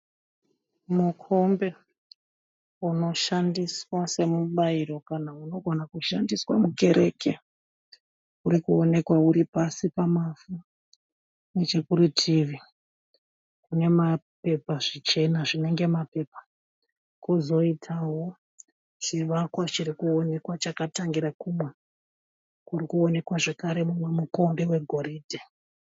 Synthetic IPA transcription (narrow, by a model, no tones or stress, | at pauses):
mukʰo̞mbe̞ | uno̞ʃandiswase̞muɓaiɾo̞kanauno̞ɡʱonakuʃandiswa̰muke̞ɾʔe̞ːke̞ | uɾikuone̞kwauɾipasipamafu | net͡ʃe̞kuɾitʰiʋi | kune̞mape̞paʐit͡ʃe̞naʐine̞ŋɡe̞mape̞pḁ | kuzo̞itʰawo̞ | t͡ʃiʋakwat͡ʃirikuone̞kwat͡ʃakataŋɡiɾakumwe | kurikuo̞ne̞kwaʐe̞kaɾe̞mumwe̞muko̞mbewe̞ɡʱo̞ɾiːdʱe